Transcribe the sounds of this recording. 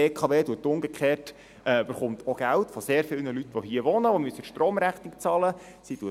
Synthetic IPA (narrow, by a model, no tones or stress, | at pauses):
eːkʰɑʋeːduətːʊŋɡekχeːt | ɛb̥əχʊnt̪ʰoɡ̥æltfɔseːɾfɪlnəlytʋoɦiəʋɔnəʋomyəsəʃtɾoːmɾæχnikt͡sɑlə | situə